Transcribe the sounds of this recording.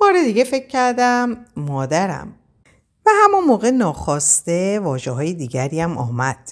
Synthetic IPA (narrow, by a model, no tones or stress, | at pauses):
b̥ɒːɾe̞d̪iɟe̞fe̞kcʰcʰːæɾd̪æmːɒːd̪æɾæ̰m | væhæmonmoːɣenɒːxɒːst̪evɒːʒeɦɒːjed̪iːɟæɾiːjæmʔɒ̰ːmæd̪̥